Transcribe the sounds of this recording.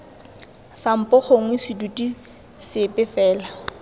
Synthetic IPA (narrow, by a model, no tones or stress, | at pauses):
sam̩pʼɔχoŋ̩wɪsɪdutʼi | sɪpʼɪfɛːla